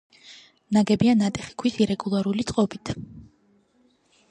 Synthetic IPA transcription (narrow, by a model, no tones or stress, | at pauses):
naɡɛbianat̪ʼɛχi̥kʰwisiɾɛɡulˠaɾulit̪sʼqʼɔbit̪ʰ